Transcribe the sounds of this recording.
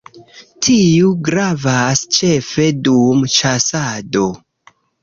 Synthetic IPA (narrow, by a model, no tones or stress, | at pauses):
tʰiuɡɾavast͡ʃe̞fe̞dumt͡ʃasado̞